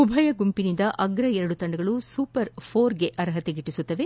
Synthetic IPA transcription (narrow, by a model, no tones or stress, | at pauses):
ubʱɐjɐɡumpinind̪ɐʔɐɡɾɐɛɾɐɽut̪ɐɳɖɐɡɐɭusuːpɐɾpʰoːɾɡeʔɐɾɦɐt̪eɡiʈːisut̪ːɐʋe